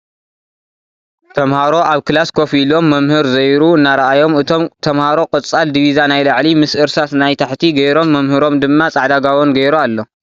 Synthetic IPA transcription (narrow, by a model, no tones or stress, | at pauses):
t̪ʰɐmhaɾo̞ʔaβkɨlaskʰo̞filo̞mːɐmhɨɾzɐjɾuɨnːaɾɐajo̞mɨt̪ʰo̞mt̪ʰɐmhaɾo̞kʼɨt͡sʼald̪iβizanajlaʕlimɨsʔɨɾsat̪najt̪ʰaħt̪ʰiɡɐjɾo̞mːɐmhɨɾo̞md̪ɨmːat͡sʼaʕd̪aɡawonɡɐjɾualːo